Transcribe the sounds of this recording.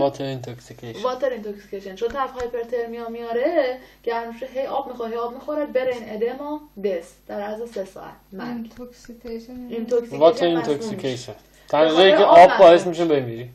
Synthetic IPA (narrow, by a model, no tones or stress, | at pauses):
ɒːt̪ʰeɾint̪ʰoksikʰevɒːt̪ʰeɾint̪ʰoksi̥cʰejʃent͡ʃʰod̪t̪ʰæɾfɒːjepʰeɾt̪ʰeɾmijɒːmijɒːɾeɟ̥æɾeʃeɦejɒːbmixoɾɦejɒːb̚mixoɾebeɾeined̪emɒd̪esd̪̥æɾæzesesɒ̰ːʔæ̰t̪̚ʰnæt̪ʰksikeint̪ʰoksivɒt̪ʰeɾint̪ʰoksikʰejʃen | t̪ʰæʁiːɣeikʰeʔɒbbɒːhesmiʃ̬ebemiɾi